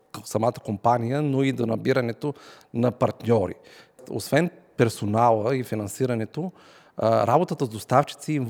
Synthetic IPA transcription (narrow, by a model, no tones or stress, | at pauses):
sɐmat̪ə̥kompanijənoid̪onɐbiɾɐnɛt̪o | nɐpɐɾt̪nʲɔɾḭo̰svɛnpɛɾsonalˠəifinɐnsiɾɐnɛt̪o | ɾabot̪ət̪əzd̪ost̪aft͡ʃi̥t̪siːm